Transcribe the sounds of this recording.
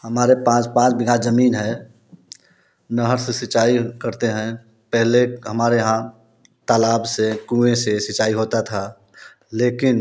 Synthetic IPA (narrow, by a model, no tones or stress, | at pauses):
həmaːɾepãːt͡ʃpãːt͡ʃbɪɡʱazəmiːnɦɛ | nəɦəɾsesɪt͡ʃaːikəɾt̪eɦɛ̃ | pɛɦleɦəmaːɾeɦã | t̪alaːbsekũẽsesɪt͡ʃaːiɦoːt̪at̪ʰa | leːkɪn